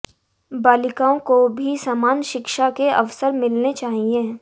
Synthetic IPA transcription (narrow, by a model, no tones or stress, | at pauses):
baːlɪkaːõkobʱisaːmaːnʃɪkʃakeɐ̰ʋsəɾmɪlnet͡ʃaːɦiẽː